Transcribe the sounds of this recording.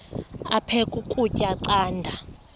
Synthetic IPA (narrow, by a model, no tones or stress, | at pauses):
apʰɛkʼukʼucʼaǀaːndʱa